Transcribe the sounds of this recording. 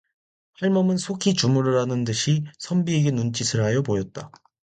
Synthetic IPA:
haɭmʌmɯnsʰokʰit͡ɕumuɾɯɾanɯndɯɕʰisʰʌmbieɡenunt͡ɕ͈isʰɯɭɦajʌbojʌt̚t͈a

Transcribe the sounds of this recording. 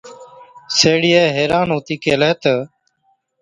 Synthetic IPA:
seːɽiːeːɦeːɾaːnɦoːt̪iːkeːleːt̪ə

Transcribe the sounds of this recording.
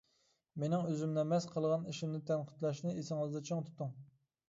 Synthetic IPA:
menɪŋøzymnɛmɛsqʰəlˠʁɑniʃimnɪt̪ʰɛnqʰə̥t̪lˠɑʃnɨesɪŋɨzd̪ɛt͡ʃʰəŋt̪ʰu̥t̪ʰːuŋ

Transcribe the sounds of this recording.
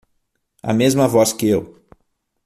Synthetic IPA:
ɐ̰mezmɐvɔskɪew

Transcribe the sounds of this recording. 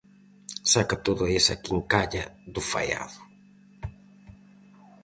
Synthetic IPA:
sakat̪oðʊesa̰kiŋkaʎɐðʊfa̰ja̰ðʊ

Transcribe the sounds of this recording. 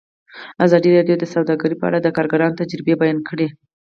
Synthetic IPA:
azɑd̪iɾɑɖjod̪əsawd̪ɑɡaɾipəa̰ɽad̪əkɑɾɡaɾɑnot̪ad͡ʒɾbebajɑnkʰəɽe

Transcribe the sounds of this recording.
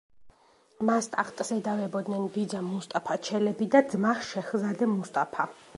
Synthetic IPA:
mast̪ʼaχt̪ʼzɛd̪avɛbɔd̪nɛnbid̪zamust̪ʼapʰat͡ʃʰɛlɛbid̪ad̪zmaʃɛχzad̪ɛmust̪ʼapʰa

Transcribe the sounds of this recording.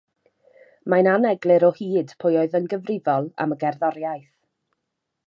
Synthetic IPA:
mananɛɡlˠɨɾɔhiːd̥pʰʊjoɨðənɡəvrɪvɔlˠa̰məɡɛrðɔɾjajθ

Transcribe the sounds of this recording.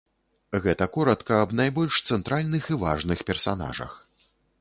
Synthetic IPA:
ɣɛt̪ɐkɔɾɐt̪kɐːbnajbɔlʲʂt̪sɛnt̪ɾalʲnɨxiva̰ʐnɨxpʲɛrsana̰ʐɐ̰x

